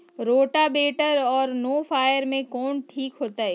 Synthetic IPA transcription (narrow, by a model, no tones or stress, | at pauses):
ɾoːʈabeːʈəɾɔːɾnoːfaːjəɾmẽkɔːnʈʰiːkɦoːt̪aɦɛː